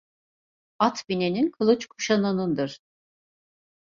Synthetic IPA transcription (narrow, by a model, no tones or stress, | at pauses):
at̪bine̞ninkʰɯlˠɯt͡ʃkʰu̥ʃanɯnɯnd̪ɯɾ̥